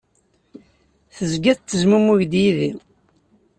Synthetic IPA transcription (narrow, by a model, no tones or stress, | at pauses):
θəzɡæðt̪ːəzmumuʝd̪jiðḭw